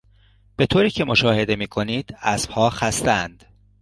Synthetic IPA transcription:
b̥e̞t̪ʰoːɾiːcʰe̞mo̞ʃɒːhe̞d̪e̞miːkʰo̞niːd̪̥æsfhɒːxæst̪ænd̪̥

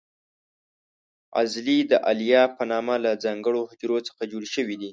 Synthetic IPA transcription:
a̰zlid̪əʔalijɑpənɑmalad͡zɑŋɡəɽohʊd͡ʒɾot͡sə̥xad͡ʒoɽʃəwid̪i

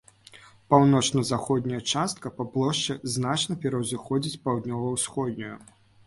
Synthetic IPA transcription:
pawnɔt͡ʂnɐzaxɔd̪̚ʲnʲɐjɐt͡ʂast̪̚kɐpɐplˠɔʂt͡ʂɛznat͡ʂnɐpʲɛɾɐwzɨxɔd͡zʲit͡sʲpawd̪nʲɔvɐwsxɔd̪ʲnʲuju

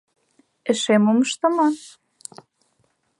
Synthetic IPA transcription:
ɘ̆ʃemoməʃt̪ə̆mɑ

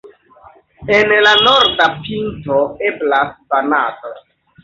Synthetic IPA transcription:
enlanoɾdapintoeblasbanato

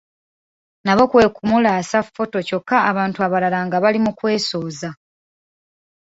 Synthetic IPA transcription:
naβo̞kwe̞ːkumulaːsafo̞to̞co̞kːaːβaːntuaβalalaŋɡaβalimukwe̞ːso̞ːza

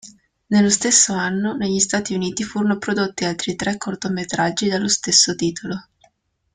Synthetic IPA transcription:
nelːost̪esːoanːoneʎːist̪aːt̪iuniːt̪ifuːɾonopɾod̪ot̪ːialt̪ɾit̪ɾʔɛkːort̪omet̪ɾad͡ʒːid̪alːost̪esːot̪iːt̪ʰolo

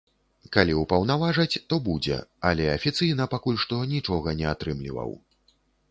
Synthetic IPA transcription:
kalʲiwpɐwnavaʐɐt͡sʲt̪ɔbud͡zʲɛ̰alʲɛɐfʲit̪sɨjnɐpakulʲʂt̪ɔnʲit͡ʂɔɣɐnʲɛat̪ɾɨmlʲḭvɐ̰w

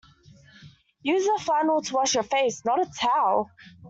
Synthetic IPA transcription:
jʉːzəfãɪnl̩ˠtʰəwɑʃjəfeɪsnəɾətʰaʊ

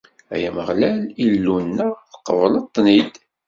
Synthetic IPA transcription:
æ̰jæməʁlælilːunːæθəqːəvəlɑt̪ˤːnid̪

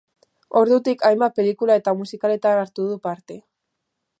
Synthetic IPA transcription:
o̞ɾðut̪ikajmbape̞likulae̞t̪amusikale̞t̪anaɾt̪uðupaɾt̪e̞

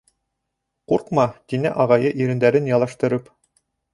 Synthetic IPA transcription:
quɾqmɑt̪inæ̰ʔɑʁɑjɤʔiɾɘ̆nd̪æɾɘnjɑlˠɑʃt̪ɤ̆ɾɤp

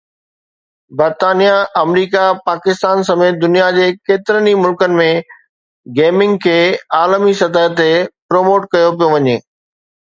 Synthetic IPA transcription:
bɐɾt̪aːnijaʔɐmɾiːkapaːkɪst̪aːnsɐmeːt̪̚d̪ʊnijad͡ʑeːkeːt̪ɪɾənimʊlkənɪ̆mẽ | ɡeːmɪ̃ŋɡkʰeːaːlmisɐt̪aːɦət̪epɾoːmoːʈkɐjop̬ijoʋɐɲeː

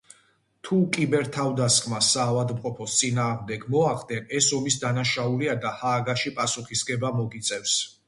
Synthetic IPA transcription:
t̪ʰukʼibɛɾt̪ʰavd̪askʼʰmasaːvad̪mqʼɔpʰɔst̪sʼinaːʁmd̪ɛɡmɔaχd̪ɛnɛsɔmisd̪anaʃauliad̪ahaːɡaʃipʼasuχisɡʼɛbamɔɡit̪sʼɛfs

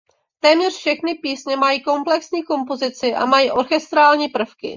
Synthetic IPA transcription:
t̪ɛːmɲɛr̝̥fʃɛxnɪpiːsɲɛmajiːko̞mplɛksɲiːko̞mpozɪt͡sɪʔa̰majiːʔo̞ɾxɛst̪ɾaːlɲiːpr̩fkɪ̰

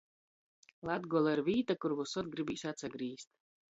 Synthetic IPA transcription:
lˠad̪ɡɔlˠaiɾvʲiːt̪akuɾvusɔt̪̚ɡɾibiːsat̪saɡɾiːst̪̚

